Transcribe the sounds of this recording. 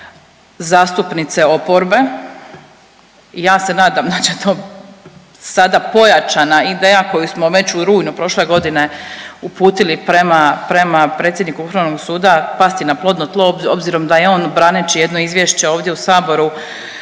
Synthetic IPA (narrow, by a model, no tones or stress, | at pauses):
zaːst̪upnit̪se̞o̞po̞ɾbe̞ | ijaːse̞naːd̪amd̪at͡ɕet̪oː | sad̪apo̞jat͡ʃanaid̪eːjako̞jusmo̞ʋe̞t͡ɕuɾuːjnupɾo̞ʃle̞ɡo̞d̪ine̞upuːt̪ilipɾemapɾe̞mapɾe̞ːt̪sʲjed̪nikuuxɾaʋno̞ɡsuːd̪apast̪inaplˠo̞d̪not̪lˠo̞bobziɾo̞md̪ajeo̞ːnbɾaːnet͡ʃije̞d̪no̞izʋjeʃt͡ɕe̞oːʋd̪je̞usaːbo̞ɾu